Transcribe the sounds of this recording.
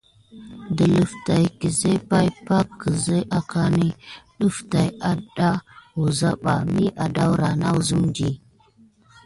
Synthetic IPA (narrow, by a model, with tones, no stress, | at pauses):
də˨lə˨fta˨jkə˨ze˦pa˦jpa˦kːə˨zə˦ʔa˨ka˦ni˦ɗə˦fta˨ja˨da˦ɣu˨za˦ɓa˨mi˦ʔa˨da˦wɾa˨na˦wu˦zə˦md͡ʒi˦